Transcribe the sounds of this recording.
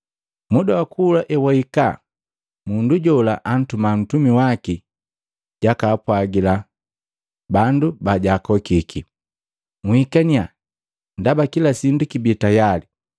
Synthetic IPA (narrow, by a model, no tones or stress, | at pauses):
mudawakuːlaʔɛwaika | munduɟɔlaʔan̩tuman̩tumiwaki | ɟ̥akaːpwaɡila | bandubaɟakɔkiki | muhikania | ndabakilasindukibitajali